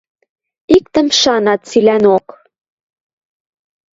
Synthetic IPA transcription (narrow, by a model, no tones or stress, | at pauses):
ikt̪ə̆mʃɑnɑt̪̚t͡silænok